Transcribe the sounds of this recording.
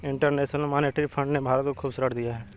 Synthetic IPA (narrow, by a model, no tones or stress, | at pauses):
ɪ̃ɳʈəɾneːʃnəlmaːneʈɾipʰə̃ɳɖnebʱaːɾət̪kokʰuːbsəɾəɽd̪ɪjaɦɛː